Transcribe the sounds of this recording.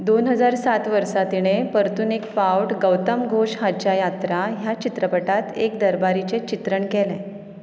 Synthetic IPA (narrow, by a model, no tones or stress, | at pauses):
d̪onɦəd͡zaɾsat̪ʋəɾsat̪iɽ̃epəɾt̪unikfawʈɡəwt̪əmɡʱoʂɦat͡ɕjajat̪ɾaɦjat͡ɕit̪ɾəpəʈat̪ek̚d̪əɾbaɾit͡set͡ɕit̪ɾəɳkɛlɛ